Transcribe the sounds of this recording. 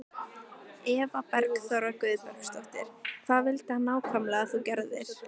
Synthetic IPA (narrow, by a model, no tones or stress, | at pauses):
ɛːvapɛɾkθɔɾakvʏðpɛɾkst̪ɔht̪ɪ̰ɾ̥kʰθaðvɪlt̪hanːaːwkʰvamlɛɣaθucɛɾðɪɾ̥